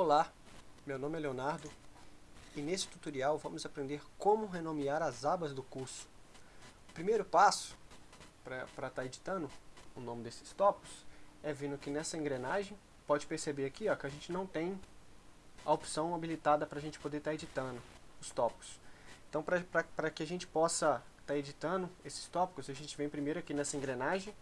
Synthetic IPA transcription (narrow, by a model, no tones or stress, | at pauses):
vola | mewnõmɪɛleonaɾd̪ʊ | ɪnesɪ̥t̪ut̪oɾiawvɐ̃mʊzapɾẽnd̪eɾkõmʊɦenõmiaɾɐzabɐzd̪ʊkuɾsʊ̥ | ʊpɾimejɾʊpasʊ̥ | pɾɐpɾɐt̪aɾed͡ʒi̥t̪ɐ̃nʊʊnõmɪd̪esɪ̥st̪ɔpʊ̥sɛvĩnʊkɪnɛsɐẽŋɡɾenaʒẽj̃ | pɔd͡ʒɪpeɾsebeɾakiɔkɪɐʒẽnt͡ʃɪnɐ̃w̃t̪ẽj̃ | ɐopsɐ̃w̃abilit̪ad̪ɐpɾɐʒẽnt͡ʃɪ̥pod̪eɾt̪aɾed͡ʒit̪ɐ̃nd̪ʊ | ʊst̪ɔpʊ̥sẽt̪ɐ̃w̃pɾɐɾɐpɾɐkɪaʒẽnt͡ʃɪ̥pɔsɐ | t̪aɾed͡ʒit̪ɐ̃nʊesɪ̥st̪ɔpikʊsaʒẽnt͡ʃɪvẽj̃pɾimejɾʊakinɛsɐẽɡɾenaʒẽj̃